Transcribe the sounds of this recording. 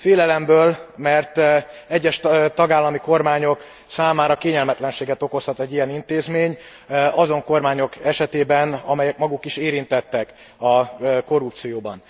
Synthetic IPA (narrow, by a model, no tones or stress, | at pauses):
feːlɛlɛmbøːlmɛrt̪ɛɟːɛʃt̪ɒɡaːlːɒmiko̞rmaːɲo̞k | saːmaːɾɒkeːɲɛlmɛt̪lɛnʃeːɡɛt̪o̞ko̞shɒt̪ɛɟːijɛnint̪eːzmeːɲ | ɒzo̞ŋko̞rmaːɲo̞kɛʃɛt̪eːbɛnɒmɛjɛkmɒɡukiʃeːɾint̪ɛt̪ːɛk | ɒko̞ɾup̚t̪sijoːbɒn